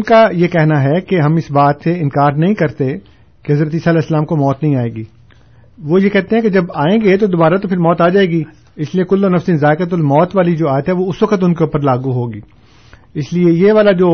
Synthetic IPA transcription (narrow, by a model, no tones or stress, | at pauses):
ʊnkajekɛɦnaɦɛkeɦɐmɪsbaːt̪seɪ̃nkaːɾnɐɦĩkɐɾt̪ẽ | keɦɐzɾət̪iːsalɛːsəlaːmkomɔːt̪nɐɦĩaːeːɡiː | ʋoːjekɛɦt̪ẽɦɛ̃ked͡ʒɐbaːẽːɡet̪od̪oːbaːɾat̪opʰɪɾmɔːt̪aːd͡ʒaːeːɡiː | ɪsliekʊlːoːnɐfsinzaːɪkət̪̬ʊlmɔːt̪ʋaːlid͡ʒoːaːjət̪ɦɛʋoʊsʋɐkət̪ʊnkeuːpəɾlaːɡuɦoːɡiː | ɪsliejeʋaːlad͡ʒoː